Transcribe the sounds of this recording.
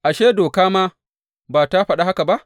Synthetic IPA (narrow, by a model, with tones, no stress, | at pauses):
ʔa˨ʃeː˦doː˨kaː˦maː˦ | baː˨ta˦ɸɐ˦ɗa˦ha˦ka˨ba˦ʔ